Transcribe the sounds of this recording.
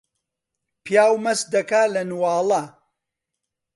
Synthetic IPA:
pʰjaːwmɐsd̪ɐkaːlɐnwɑːlˠɐ

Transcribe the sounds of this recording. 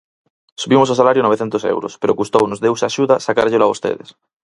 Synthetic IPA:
suβimos̬awsalaɾjonoβeθent̪osḛwɾospeɾokust̪ownozðewsaʃuðasakaɾʎelaβost̪ḛðḛs

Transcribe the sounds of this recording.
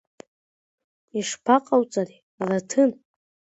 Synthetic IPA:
iʂpʰaqʼawt͡sʼari | alatʰɨn

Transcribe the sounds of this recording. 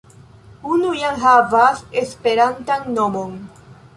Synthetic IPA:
unujanɦavase̞spe̞ɾantanːo̞mo̞n

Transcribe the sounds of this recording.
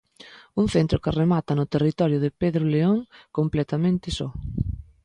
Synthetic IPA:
uŋ̟θent̪ɾʊkɪremat̪ɐnʊt̪erit̪ɔɾjʊðɪpeðɾʊleoŋkomplɛt̪amẽnt̪ɪsɔ

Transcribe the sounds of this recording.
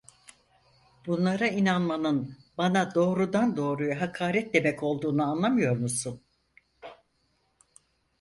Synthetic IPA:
bunlˠaɾainanmanɯnbanad̪o̞ːɾud̪and̪o̞ːɾujaɦakʰaːɾɛt̪̚d̪e̞mɛco̞lˠd̪uːnuanlˠamɯjo̞ɾmusun

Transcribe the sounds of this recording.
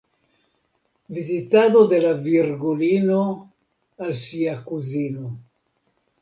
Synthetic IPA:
vizit̪aːd̪od̪elavirɡuliːno | alsiakuziːno

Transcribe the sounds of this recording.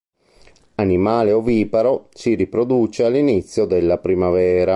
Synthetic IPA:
animaːleoviːpaɾosiripɾod̪uːt͡ʃealːinit̪sːjod̪elːapɾimavɛːɾa

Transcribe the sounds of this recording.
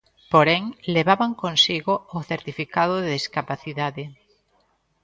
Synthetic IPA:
poɾeŋleβaβaŋkonsiɣooθeɾt̪ifikaðoðeðiskapaθiðaðe

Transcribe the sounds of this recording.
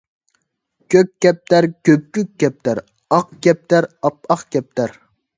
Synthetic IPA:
kʲʰøkʲkʲːɛp̚t̪ʰæɾkʲøp̚kʲykʲːɛp̚t̪ʰæɾ | ɑqkʲɛp̚t̪æɾɑp̚ɑqkʲɛp̚t̪ʰæɾ

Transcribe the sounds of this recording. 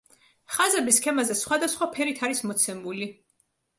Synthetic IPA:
χazɛbiskʰɛmazɛsχwad̪asχwapʰɛɾit̪ʰaɾismɔt̪sʰɛmuli

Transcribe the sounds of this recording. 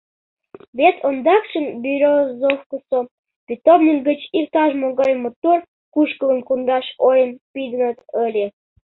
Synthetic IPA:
βet̪ʰond̪ɑkʃənbʲiɾʲozofkəso | pit̪omnʲikɡət͡ɕirt̪ɑʒmoɣɑjmot̪ur | kuʃkə̆lə̆nkund̪ɑʃojənpid̪ə̆nə̆t̪əlʲe

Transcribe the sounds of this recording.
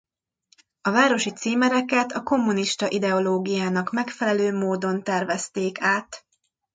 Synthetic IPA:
ɒvaːɾo̞ʃit̪siːmɛɾɛkɛt̪ɒko̞mːuniʃt̪ɒʔid̪ɛo̞loːɡijaːnɒkmɛkfɛlɛløːmoːd̪o̞nt̪ɛrvɛst̪eːkaːt̪

